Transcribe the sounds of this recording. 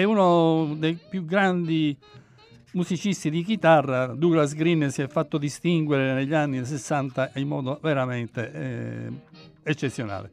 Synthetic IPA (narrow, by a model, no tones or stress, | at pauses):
ɛunod̪ejpjuɡɾand̪i | musit͡ʃist̪id̪ikit̪arːad̪uːɣlazɡɾinːɛsiɛfːat̪ːod̪ist̪iŋɡwɛɾɛneʎːanːis̬ɛsːant̪aʔimːɔ̰ːd̪ovɛɾamɛnt̪ɛ̰ | ɛt͡ʃːet̪sːjɔna̰ːlɛ̰